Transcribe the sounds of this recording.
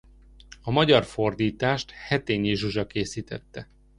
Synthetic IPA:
ɒmɒɟɒrfo̞rd̪iːt̪aːʃt̪hɛt̪eːɲiʒuʒɒkeːsiːt̪ɛt̪ːɛ

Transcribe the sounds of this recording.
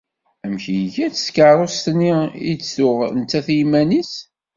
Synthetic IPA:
æmçijʝæt͡sə̥skəɾˤost̪nːiḭt͡sːθʊʁnt̪ːæθjimænis

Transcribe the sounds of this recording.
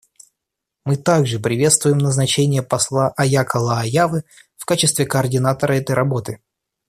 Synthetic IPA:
mɨt̪aɡʐɨpɾʲɪvʲe̞t̪st̪vʊjɪmnəznɐt͡ɕenʲɪjəpɐslˠaʔɐjakəlˠəɐjavɨ | fkat͡ɕɪst̪vʲɪkəːrdʲɪnat̪əɾəɛt̪əjɾʔɐbo̞t̪ɨ

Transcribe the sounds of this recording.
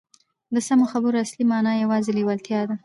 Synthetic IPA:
d̪əsamoxabəɾoaslimɑnɑjawɑzeliwalt̪jɑd̪a

